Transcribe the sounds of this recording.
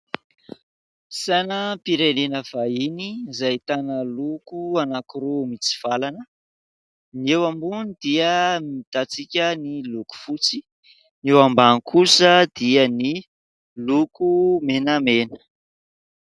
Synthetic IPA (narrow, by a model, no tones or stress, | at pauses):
sanəpiɾenenəv̥ainizajt̪anəlukuanakuɾomit͡si̥v̥alanə | niewambunid̪̥iəmit̪at͡sikʲəniluku̥fut͡si | newambankʰusəd̪̥iəni | lukumenamenə̥